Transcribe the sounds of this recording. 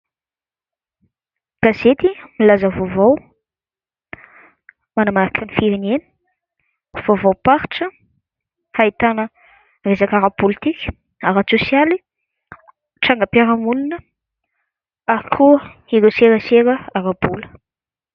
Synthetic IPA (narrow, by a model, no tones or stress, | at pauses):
ɡ̥azet̪imilazəvovaw | manamaɾakʰanifiɾineni̥ | v̥ovawpaɾʈ͡ʂə | hait̪anə | rezakaɾapulit̪ikʲə̥ | aɾat͡susjali | ʈ͡ʂaŋɡəpiaɾamulunə | akʰuə | iɾeseɾəseɾəaɾabulə̥